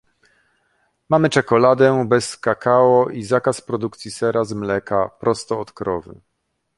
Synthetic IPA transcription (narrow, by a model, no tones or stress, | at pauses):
mamɘt͡ʂɛkɔlad̪ɛbɛskakʰawɔizakaspɾɔd̪ukt̪sʲisɛɾazmlɛkapɾɔst̪ɔːt̪kɾɔvɘ̰